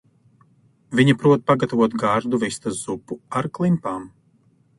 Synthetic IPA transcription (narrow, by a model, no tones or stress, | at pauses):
vʲiɲipɾuɔt̪̚paɡat̪avuɔt̪ɡaːɾd̪uvist̪azz̥upːuaɾklˠimpaːm